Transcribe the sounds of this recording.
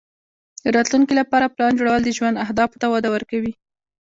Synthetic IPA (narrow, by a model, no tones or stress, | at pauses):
d̪əɾɑt̪luŋkilapɑɾaplɑnd͡ʒoɽawəld̪əʒwand̪ahd̪ɑfu̥t̪awɑd̪awəɾkawi